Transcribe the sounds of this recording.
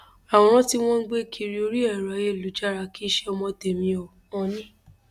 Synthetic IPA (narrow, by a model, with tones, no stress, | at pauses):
a˨w̃ɔ̃˨˦ɾ̃ɔ̃˦ti˦w̃ɔ̃˦n̩˦ɡ͡be˦kʰi˧ɾi˦o˧ɾi˦ɛ˦˨ɾa˨˦je˦˨lu˨˦d͡ʒa˦˨ɾa˧˦ki˦ʃɛ˦ɔ˧mɔ̃˧te˨mĩ˧o˨ | ɔ̃˧nĩ˦